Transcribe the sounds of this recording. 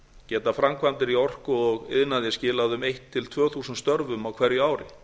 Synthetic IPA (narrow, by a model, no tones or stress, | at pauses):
cɛːt̪afɾamkʰvant̪ɪɾiɔr̥kʏɔɣɪ̰ðnaðjɛscɪːlaðʏmejht̪ʰːɪlt̪ʰvœːθuːsʏnst̪œɾvʏmawkʰvɛɾjʏaːwɾɪ